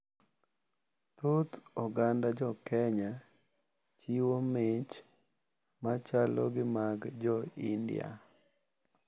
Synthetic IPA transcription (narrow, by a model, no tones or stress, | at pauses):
t̪ot̪ɔɡandad͡ʒɔkɛɲa | t͡ʃiwomɪt͡ʃ | mat͡ʃalɔ̰ɡɪmaɡd͡ʒɔindɪ̰a̰